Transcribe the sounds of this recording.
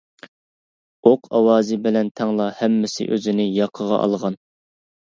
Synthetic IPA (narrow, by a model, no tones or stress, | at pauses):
oqʰɑwɑːzɪbɪlɛnt̪ʰɛŋlˠɑhɛmːɪsɪ̰ʔøzɪnɪjɑqʰəʁɑ̰ʔɑ̰lˠʁɑn